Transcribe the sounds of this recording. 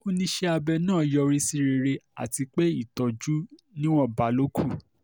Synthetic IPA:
o˦nĩ˧ʃe˦a˧bɛ˧nãː˦˨jɔ˧ɾi˦si˦˧˦ɾe˧ɾe˧a̰˨ti˧k͡pe˦i˦˨tɔ˨d͡ʒu˨˦ | nĩ˦w̃ɔ̃˦ba˨˦lo˦kʰu˦˨

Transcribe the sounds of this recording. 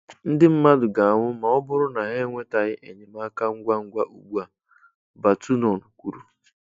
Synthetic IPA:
n̩˦dɪ˦m̩˦ma˦dʊ˨ɡa˨a˨ŋʷʊ˦ma˨ɔ˦bʊ˦ɾʊ˦na˨ɦe˦ŋʷe˦ta˨ɣɪ˦ʔe˨ɲe˨ma˦ka˦ŋ̩˦ɡʷa˦ŋ̩˦ɡʷa˦ʔu˨ɡ͡bu˦a˨ | ba˨tu˦nɔ˨nu˨kʷu˦ɾu˦

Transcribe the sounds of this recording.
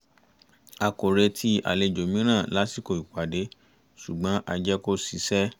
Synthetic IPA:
a˨ko˨ɾe˧tʰi˧ʔa̰˨le˧˨d͡ʒo˨mĩ˦ɾ̃ã˦˨la˨˦si˦˨ko˨i˨ka˨de˨˦ | su˨ɡ͡bã˨˦ʔa˧d͡ʒɛ˦ko˦si˨˦sɛ˦

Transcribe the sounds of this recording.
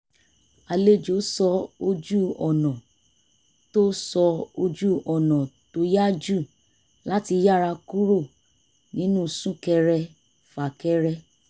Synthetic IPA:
a˧le˦d͡ʒo˨˦sɔ˧o˧d͡ʒu˦ɔ˨nɔ̃˨ | to˦sɔ˧o˧d͡ʒu˦ɔ˨nɔ̃˨to˧˦ja˦d͡ʒu˦˨ | la˦ti˧˦ja˦˨ɾa˧ku˦ɾo˦˨ | nĩ˦nũ˦˨sũ˦kɛ˧ɾɛ˧ | fa˨kɛ˦ɾɛ˧

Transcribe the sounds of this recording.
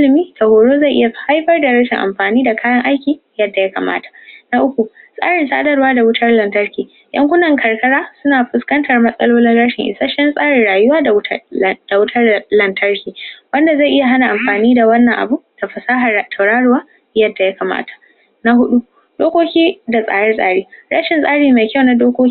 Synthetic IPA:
lɪ˨miː˦tʰɐ˨hoː˨ɽoː˦za˦˨jʔɪ˦ja˨ha˦jɸɐ˦rda˨ɽɐ˦ʃɪ˨ŋʔa̰˨mɸaː˨niː˦da˨kaː˦jɐ˦ŋʔa˦jkʲiː˨ | jɐ˦dːa˨ja˦ka̰ː˨ma̰ː˦tḁ˨ʔna˦ʔʊ˦kʷu˨sʼa̰ː˦ɽɪ˨nsaː˦dɐ˦ɽwaː˦da˨wʊ˦tʰɐ˦rlɐ˨ntɐ˦rkʲiː˨ | jɐ̰˦ŋkʷʊ˦nɐ˨ŋkʰɐ˨rkɐ˦ɽaː˦sʊ˦naː˨ɸʊ˨skɐ˦ntʰɐ˨rmɐ˦sʼɐ˦loː˦lɪ˦nɽɐ˦ʃɪ˨ŋʔɪ˨sa˦ʃɐ˦nsʼaː˦ɽɪ˨ɽaː˨jʊ˦waː˦˨˦d̥a˨wʊ˦tʰɐ˦rlɐ˨ntʰɐ˦rkʲiː˨wɐ˦nda˨za˦˨jʔɪ˦ja˨ɦa˦na˨ʔa˨mɸaː˨niː˦da˨wɐ˦nːɐ˨ŋʔa̰˨bu˦d̥a˨ɸɐ˨saː˦ɦa˨tʰɐ˨wɽaː˦ɽʊ˨waː˦ | jɐ˦dːa˨ja˦kaː˨ma̰ː˦tʰḁ˨ | na˦ɦʊ˦ɗu˦ | d̥oː˦kʷoː˦kʲiː˦da˨sʼa̰ː˦ɽɐ˦rsʼa̰ː˦ɽiː˦ɽa˦ʃɪ˨nsʼaː˦ɽiː˨naː˨kʲɐ˦wna˦doː˦kʷoː˦

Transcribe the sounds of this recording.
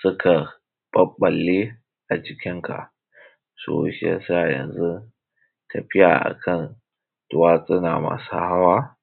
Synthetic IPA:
sʊ˦kʰa˨ | ɓ̥ɐ˦ɓɐ˨lːi˦ | ʔa˨d͡ʒɪ˨kʲɪ˦ŋkʰa̰˨ʔ | so̰ː˦ʃḛ˨sa˦˨jɐ̰˨nzu˦ | tʰɐ˨ɸɪ˦ja̰˨ʔa̰˨kʰɐ˦˨n | tʊ˦waː˦sʼɪ˦na˨ma̰ː˦sa˦ha˦waː˦

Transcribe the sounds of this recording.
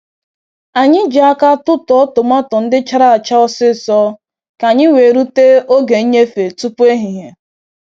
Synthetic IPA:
a˨ɲɪ˦d͡ʒa˨˦a˦ka˦tʊ˦tɔ˨ɔ˦tʊ˨ma˦tɔ˨n̩˦dɪ˦t͡ʃa˦ɾa˦a˨t͡ʃa˦ɔ˦sɪ˦sɔ˦ | ka˨ɲɪ˦we˨ɾu˦te˦o˦ɡe˨˦ɲe˦fe˨tu˦pu˦e˦ɦi˨ɦe˨

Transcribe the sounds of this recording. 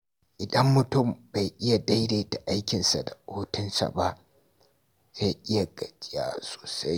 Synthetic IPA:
ʔɪ˨dɐ˦mːʊ˨tʊ˦˨mba˨jʔɪ˦ja˨da˦jɾeː˨ta˨ʔa˦jkʲɪ˨nsa̰˨da˨ʔoː˦tʊ˦nsa̰˨ba˦ʔ | za˦jʔɪ˦ja˨ɡɐ˨d͡ʒʲʼɪ˦ja̰ː˦so̥ː˨sa˦j

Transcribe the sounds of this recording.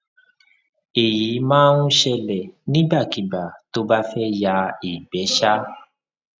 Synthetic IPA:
e˨ji˨˦mãː˦nũ˦ʃɛ˧lɛ˨nĩ˦ba˦˨ki˨ba˨to˦ba˦fɛ˦ja˧i˨bɛ˨˦ʃa˦

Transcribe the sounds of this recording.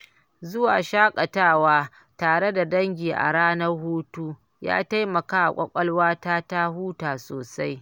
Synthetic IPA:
zʊ˦waː˨ʃaː˦kʼɐ˨taː˦˨waː˦ | taː˨ɽe˦da˨dɐ˦ŋɡʲiː˨ʔa̰˨ɽaː˦nɐ˦rhuː˦tuː˦ | ja̰ː˦ta˦jmɐ˨kaː˦ʔa̰˨kʷʼɐ˦kʷʼɐ˦lwaː˦taː˦ta˦huː˦taː˨soː˨sa˦j

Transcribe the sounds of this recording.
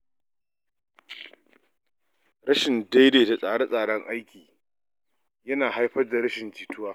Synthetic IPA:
ɾɐ˦ʃɪ˨nda˦jdeː˨ta˨sʼaː˦˨ɽe˦sʼaː˨ɽɐ˦ŋʔa˦jkʲiː˨ | jɐ˦naː˨ɦa˦jɸɐ˦rda˨ɽɐ˦ʃɪ˨nt͡ʃiː˨tʊ˦waː˦

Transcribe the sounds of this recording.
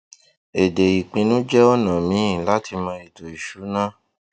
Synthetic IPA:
e˨de˨i˨k͡pĩ˧nũ˦d͡ʒɛ˦ɔ˦nã˨mĩ˨˦ĩ˨la˦tʰi˧mã˧i˨to˨i˨ʃu˨˦nã˦

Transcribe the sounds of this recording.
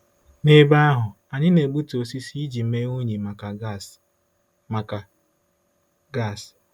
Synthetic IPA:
ne˦ba˦ɦʊ˨ | a˨ɲɪ˦ne˨ɡ͡bu˦to˨si˦si˦d͡ʒi˨m̩˦me˦o˦ɲi˨ma˨ka˨ | ma˨ka˨ | ɡa˦˨s

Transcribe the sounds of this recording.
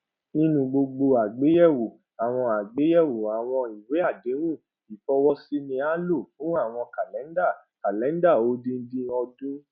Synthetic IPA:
nĩ˦nũ˧ɡ͡bo˧ɡ͡bo˧a˨ɡ͡be˨˦jɛ˦˨wu˨ | a˨w̃ɔ̃˧a˨ɡ͡be˨˦jɛ˦˨wu˨a˨w̃ɔ̃˧i˨we˨˦a˦˨de˨˦ɾũ˦˨ | i˨fɔ˧wɔ˦si˦nĩ˧a˦lo˦˨fũ˦a˦˨w̃ɔ̃˧ka˨lɛ˨˦n˦da˦˨ | ka˨lɛ˨˦n˦da˦˨o˨˦dĩ˧n̩˦dĩ˧ɔ˧dũ˦

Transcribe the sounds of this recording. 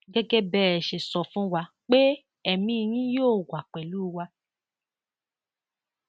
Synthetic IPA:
ɡɛ˦ɡɛ˦bɛ˦˧˦ɛ˨ʃe˨sɔ˧˨fũ˦wa˧ | k͡pe˦ | ɛ˦˨mĩ˧j̃ĩ˦joː˦˨wa˨k͡pɛ˨lu˦˧wa˧

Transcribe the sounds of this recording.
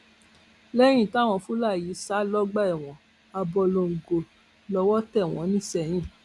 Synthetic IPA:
lɛ˦j̃ĩ˦˨ta˦˨w̃ɔ̃˧fũ˦la˦˨ji˨˦sa˦lɔ˦ɡ͡ba˦ɛ˨w̃ɔ̃˨ | a˧bɔ˧lo˧ŋ̩˨ɡo˨ | lɔ˧wɔ˦tɛ˦˨w̃ɔ̃˨˦nĩ˦sɛ˧˨j̃ĩ˦˨

